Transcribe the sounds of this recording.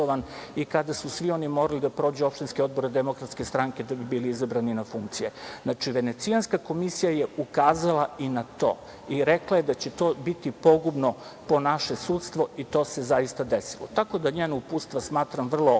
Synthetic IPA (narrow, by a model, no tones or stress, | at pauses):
oʋanikad̪asusʋio̞nimo̞ɾalid̪apɾo̞ːd͡ʑuopʃt̪inskeo̞d̪̚bo̞ɾed̪emo̞kɾat̪ske̞st̪ɾaŋke̞d̪abibiːliizabɾaninafuŋkt̪sijeznat͡ʂiʋe̞ne̞t̪sianskako̞misijaje̞ukaːzalˠainat̪o̞̰ː | iɾeklajed̪at͡ɕe̞t̪o̞bit̪ipo̞ɡubno̞ | po̞naʃesuːt̪st̪ʋo̞it̪o̞ːse̞zajist̪ad̪esilˠo̰t̪ako̞d̪aɲeːnoupuːst̪ʋasmaːt̪ɾamʋr̩lˠo